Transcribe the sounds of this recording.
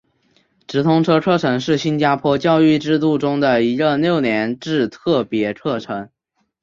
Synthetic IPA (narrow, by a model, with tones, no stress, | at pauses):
ʈ͡ʂɻ̩˧˥t̪ʰʊ˥ŋʈ͡ʂʰɤ˥ʈ͡ʂʰɤ˥ʈ͡ʂʰɤ˧˥ŋʂɻ̩˥˩ɕi˥nt͡ɕja˥pʰwɔ˥t͡ɕjɑ˥˧ʊy˥˩ʈ͡ʂɻ̩˥˧t̪u˥˩ʈ͡ʂʊ˥ŋd̪ə˨˩i˧˥ɻə˥˧ljo˥˩ʊnjɛ˧˥nʈ͡ʂɻ̩˥˧t̪ʰɤ˥˩pjɛ˧˥ʈ͡ʂʰɤ˥˩ʈ͡ʂʰɤ˧˥ŋ